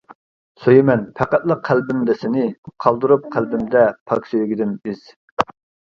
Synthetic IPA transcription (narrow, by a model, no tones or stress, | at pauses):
søjɪmɛnpʰæqæt̪lˠəqʰːælbɪmd̪ɛsɪnɪqʰɑlˠd̪uɾup̚qʰælbɪmd̪ɛpʰɑkʲsøjɡʲid̪ɪnbɪz̥